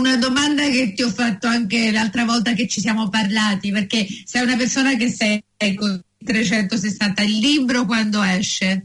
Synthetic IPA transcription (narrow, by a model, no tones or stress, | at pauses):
unad̪omand̪aket̪ːiɔfːat̪ːoaŋkelalt̪ɾavɔlt̪ak̬et͡ʃːisjaːmoparlaːt̪iperkesɛjunapersoːnak̬esːɛjɛkːoit̪ɾet͡ʃɛnt̪os̬esːant̪ailːiːbɾokwand̪oɛʃːe